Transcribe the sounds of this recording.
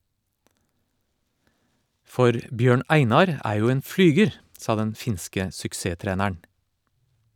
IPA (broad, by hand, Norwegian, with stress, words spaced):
ˈfɔɾ ˈbjøːɳ ˈæɪnɑɾ ˈæː ˈjuː ˈeːn ˈflyːɡəɾ ˈsɑː ˈdɛn ˈfɪnskə sʏkˈseːˌtɾeːnəɳ